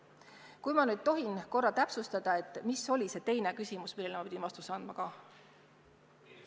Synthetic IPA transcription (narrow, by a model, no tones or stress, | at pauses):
kujmɑnyːd̪̥̚t̪o̞ɦinko̞rːɑt̪æpsust̪ɑd̪̥ɑe̞t̪ːˑmisːo̞lʲise̞t̪e̞jne̞kysʲimusmilːelmɑpid̪ʲinvɑst̪useɑnd̪̥mɑkɑ